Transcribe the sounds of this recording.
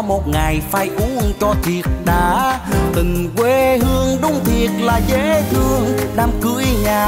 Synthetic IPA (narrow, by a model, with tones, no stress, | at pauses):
mo˨˩t̚ŋa˨˩jfaː˧˩jʔu˨˦ŋt͡ɕɔ˧t̪ʰi˨˩ət̚ɗa̰ː˧˥t̪ï˨˩ŋkwe˧˩hɨ˧əŋɗʊ˨˦ŋ͡mt̪ʰi˨˩ət̚laː˨˩ze˧˥hɨ˧əŋɗaː˧mkɨ̰˧˥əjɲaː˨˩